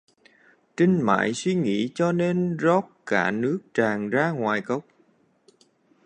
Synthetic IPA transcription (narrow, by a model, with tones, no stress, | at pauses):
t͡ɕï˧ŋ̟ma̰ː˧˨jswi˧ŋḭ˧˥t͡ɕɔ˧ne˧nzɔ˦˥p̚kaː˧˩nɨ˦˥ək̚t͡ɕaː˨˩ŋzaː˧ŋwaː˨˩jkə˦˥wk͡p̚